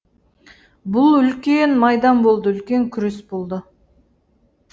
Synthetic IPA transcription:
bʊlˠʏlkʲenmɑjd̪ɑnbo̞lˠd̪əʏlkʲe̞ŋkʲʰʏɾesbolˠd̪ə

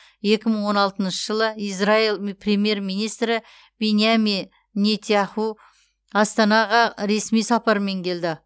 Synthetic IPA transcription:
je̞kʲɪməɴwo̞nɑlˠt̪ənʃəʒəlˠəizrailˠprʲe̞mje̞ɾmijnijst̪ɾɪ | be̞nijamʲij | net̪ʰjaχu | ɑst̪ɑnɑʁɑɾe̞smijsɑpɑɾəme̞ŋkʲʰe̞ld̪ɪ

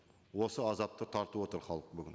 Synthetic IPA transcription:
wo̞səɑzɑp̚t̪ət̪ʰɑɾt̪əwo̞t̪əɾχɑlˠəq̚bʏɡʲɪ̰n

